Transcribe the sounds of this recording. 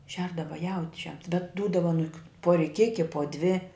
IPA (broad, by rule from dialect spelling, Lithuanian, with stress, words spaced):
ˈʃʲɛrdɐʋɐ ˈjɛʊt͡ʃʲɛm bʲɛt ˈduːdɐʋɐ ɐˈnʊk pʊ rʲɪˈkʲɪkʲɪ poː dʲʋʲɪ